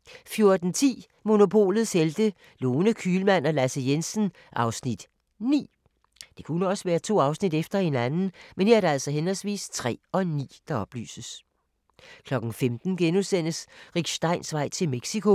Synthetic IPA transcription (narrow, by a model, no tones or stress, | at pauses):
fjo̝ɐd̥n̩t͡sʰḭː | mo̝no̝pʰo̝̰ːlð̞̩ˠsheld̥ə | loːnəkʰyːlmænɒ̽læsəjensən̩ | ʔɑ̈ʊsnid̥ | nḭː | d̥e̝kʰunəɒ̽səʋæːɐt͡sʰo̝̰ːɑ̈ʊsnid̥efd̥ɐe̝nænn̩menheɐɐɾ̥eæl̰sɒ̽ɦenɦɒlsʋḭːst͡sʰʁɛ̰ːɒ̽nḭːd̥ɑ̈ɒ̽b̥ly̰ːsəs | kʰlɒ̽ɡ̥ŋ̩femd̥n̩ɡ̥enusen̰əsʁiɡ̥ɕd̥ɑ̈ɪnsʋɑ̈ɪ̰t͡sʰe̝lmeɡ̥sikʰo̝